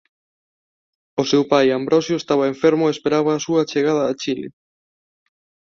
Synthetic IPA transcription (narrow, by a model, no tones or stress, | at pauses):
osewpajambɾɔsjoest̪aβɐeɱfeɾmoespeɾaβaːsuɐt͡ʃeɣað̞ɐːt͡ʃilɪ̰